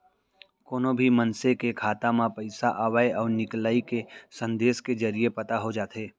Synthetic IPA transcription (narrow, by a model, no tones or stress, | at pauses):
koːnobʱimɐnsekekʰaːt̪amãpɐɪsaʔaːʋaːeɔːɾnɪklaːikesə̃nd̪eːsked͡ʒɐɾijepɐt̪aɦod͡ʒaːt̪eː